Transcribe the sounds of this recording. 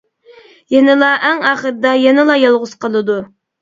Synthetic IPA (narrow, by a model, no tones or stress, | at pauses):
jɛnɨlˠɑʔæŋɑːχəɾɨd̪ɑjɛnɨlˠɑjɑlˠʁʊz̥qəlˠɨd̪u